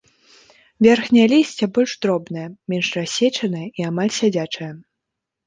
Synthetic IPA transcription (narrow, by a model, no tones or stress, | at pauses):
vʲerxnʲɛjɐlʲisʲt͡sʲɛbɔlʲʂd̪ɾɔbnɐjɐmʲɛnʂrasʲet͡ʂɐnɨjɐʔiamalʲsʲad͡zʲat͡ʂɐjɐ